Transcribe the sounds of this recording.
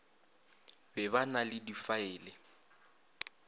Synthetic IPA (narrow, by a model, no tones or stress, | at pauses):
bɛbanalɪdifaɪːlɪ